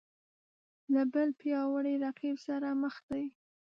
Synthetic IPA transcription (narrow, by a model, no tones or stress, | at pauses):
labəlpjɑwəɽeɾaqibsaɾaməxd̪aj